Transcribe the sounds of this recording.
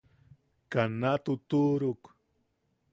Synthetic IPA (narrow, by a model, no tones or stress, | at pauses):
kanat̪ʊt̪uɾʊk